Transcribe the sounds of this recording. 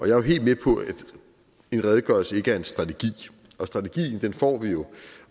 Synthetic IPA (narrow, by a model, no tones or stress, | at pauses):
ʔɒ̽jɑ̈æɐɦe̝̰ːld̥mepʰɒ̽æd̥ | e̝nʁɛð̞ˠəɡ̥ɶɐlsəe̝ɡ̥əæɐe̝nsd̥ʁɑ̈t͡sʰe̝ɡ̥ḭː | ʔɒ̽sd̥ʁɑ̈t͡sʰe̝ɡ̥ḭːn̩d̥enfɒ̰ːʋijo̝